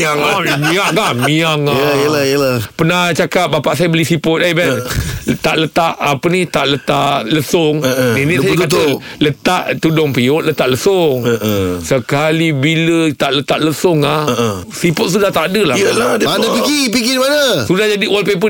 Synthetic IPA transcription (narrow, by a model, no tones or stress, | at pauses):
aŋamĩaɡahmiaŋajəlajəapənat͡ʃakap̚bapaʔsajabəlisipʊt̪̚aibɛnt̪aʔlət̪aʔapənit̪aʔlət̪aʔləsʊŋninisajakat̪ələt̪aʔt̪udɔŋpioʔlət̪aʔləsʊŋəsəkalibilət̪aʔlət̪aʔləsʊŋah | sipʊt̪̚s̬udaht̪aʔdəlalaanəpiɡipiɡidimanəsudahd͡ʒadiwalpep̬ə